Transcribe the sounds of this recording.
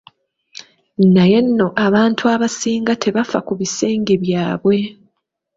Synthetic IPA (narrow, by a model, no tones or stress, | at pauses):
naje̞nːo̞ʔaβaːntʰuaβasiːŋɡatʰe̞βafa̰kuβise̞ːŋɡeβjaːβwe̞